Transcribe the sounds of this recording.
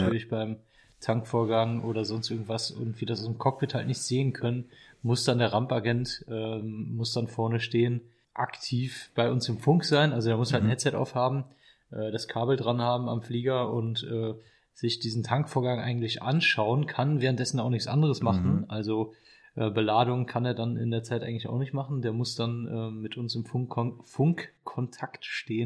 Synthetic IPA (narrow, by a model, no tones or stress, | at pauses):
tʰyɐlɪçb̥aɪm | tʰaŋkfoːɐɡaŋʔoːɾɐzɔnstʔɪɐɡŋ̩tv̥asʔɪ̰ɐɡŋ̩tv̥iːdasaʊdɪmkʰɔk̚b̥ɪthaltnɪçtz̥eːənkʰœnənmʊsd̥andeːɐʁampaɡɛntʔɛːmʊsd̥anfɔɐnəʃteːən | ʔaktʰiːfb̥aɪʔʊnsɪmfʊŋkz̥aɪnʔalzodeːɐmʊshaltnhɛtt͡sɛtʔa̰ʊfhaːbm̩ | ʔɛːdaskʰaːbl̩dʁanhaːbm̩a̰mfliːɡɐʔʊntʔɛː | z̥ɪçd̥iːzn̩tʰaŋkfoːɐɡaŋʔa̰ɪɡŋ̩tlɪçʔa̰nʃaʊənkʰanvɛːʁəntd̥ɛsn̩aʊxnɪçt͡ssʔa̰ndəʁəsmaχn̩ʔalzo | ʔɛːbəlaːdʊŋkʰaneːɐdanɪ̰ndeːɐt͡saɪtʔaɪɡŋ̩tlɪça̰ʊxnɪçtmaχn̩deːɐmʊsd̥anʔɛːmɪtʰʔʊnsɪmfʊfʊŋkʰːɔntʰaktʃteːən